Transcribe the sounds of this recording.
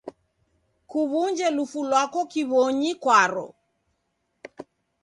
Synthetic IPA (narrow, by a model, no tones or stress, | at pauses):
kuβuɲd͡ʒɛlufulwakɔkiβɔɲikwaɾɔ̰